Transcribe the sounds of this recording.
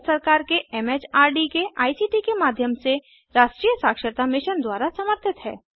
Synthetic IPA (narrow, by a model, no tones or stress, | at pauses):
səɾkaːɾkeɛmeːt͡ʃaːɾɖikeʔaːisiːʈikemaːd̪ʱjəmse | ɾaːʃʈɾiːjəsaːkʃəɾt̪amɪʃənd̪waːɾasɐməɾt̪ʰɪt̪ɦɛ̰ː